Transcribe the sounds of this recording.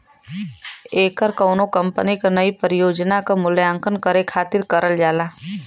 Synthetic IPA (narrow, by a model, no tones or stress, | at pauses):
eːkəɾkɐʊnokɐ̃mpənikanɐipəɾɪjoːd͡ʒnakamʊljãːŋkənkəɾekʰaːt̪ɪɾkəɾʔəld͡ʒaːlaː